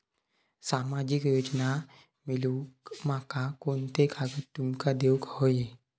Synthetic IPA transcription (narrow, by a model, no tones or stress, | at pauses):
saːmaːd͡ʒɪkjoːd͡ʒna | mɪlukmakakoːnt̪ekaɡət̪ʊmkad̪eːukɦoːje